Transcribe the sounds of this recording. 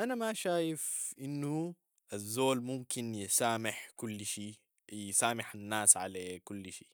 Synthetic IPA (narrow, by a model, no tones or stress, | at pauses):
ʔanamaʃaːjɪfʔɪnːu | ʔazːoːlmʊmkɪnjɪsaːmɪħkʊlːʃiː | jɪsaːmɪħanːaːsʕa̰leːkʊlːʃiː